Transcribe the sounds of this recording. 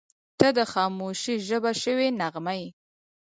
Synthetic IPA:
t̪əd̪əxɑmoʃiʒəbaʃəwenaɣmaj

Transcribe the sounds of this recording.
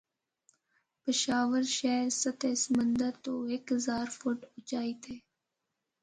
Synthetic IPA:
pɪʃaːʋəɾʃɛːɾsət̪ʰeːsəmə̃nd̪əɾt̪oːeːkɦəzaːɾfʊʈʊt͡ʃaːiːt̪ʰeː

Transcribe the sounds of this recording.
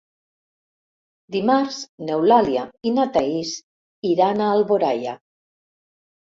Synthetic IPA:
d̪imaɾznewlaljainat̪ais | iɾanaːlβoɾaja̰

